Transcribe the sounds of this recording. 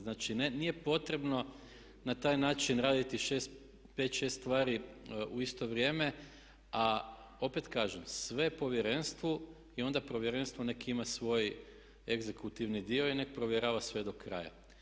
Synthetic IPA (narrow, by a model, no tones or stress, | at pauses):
znaːt͡ʃinenije̞po̞t̪ɾe̞bno̞ | nat̪aːjnaːt͡ʃinɾaːd̪it̪iʃest̪ | pet̪ʃe̞st̪ʋaːɾiuist̪o̞ʋɾje̞ːme̞ | a | o̞pe̞t̪kaːʒemsʋe̞po̞ʋjeɾe̞nst̪ʋu | io̞nd̪apɾoʋjeɾe̞nst̪ʋone̞kimasʋo̞j | eɡze̞kut̪iʋnid̪io̞inekpɾoʋjeɾaːʋasʋe̞d̪o̞kɾa̰ːja̰